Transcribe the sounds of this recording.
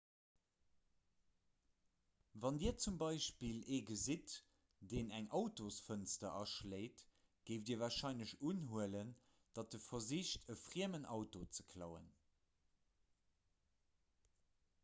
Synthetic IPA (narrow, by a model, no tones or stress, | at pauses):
vɑndiːɐt͡sumbɑɪʃpileːɡəzit | d̥eːnæŋʔɑʊtosfənstɐʔɑʃleɪt | ɡ̥eɪfdiːɐvaːɐʃɑɪnləɕunɦuələn | d̥ɑt̚dəfɐziʃtʰəfʁiəmənʔɑ̰ʊtot͡sə̥kʰlɑ̰ʊə̰n